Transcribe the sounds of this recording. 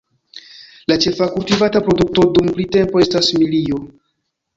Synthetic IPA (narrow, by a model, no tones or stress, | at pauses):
lat͡ʃe̞fakultivatapɾo̞duk̚to̞dumplite̞mpo̞e̞stasmilio̞